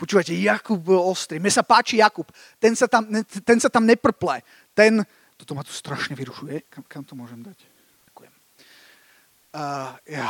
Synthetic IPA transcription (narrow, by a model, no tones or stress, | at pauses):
pɔt͡ʃuːʋacɛjakubɔst̪ɾimɲɛsapaːt͡ʃijakup | t̪ɛnsat̪amɛt̪ɛnsat̪amɲɛpr̩plɛ | t̪ɛn | t̪ɔ̥t̪ɔmat̪u̥st̪ɾaʃɲɛʋiɾuʃujɛkamkamt̪ɔmʊɔʒɛmd̪ac | akujɛm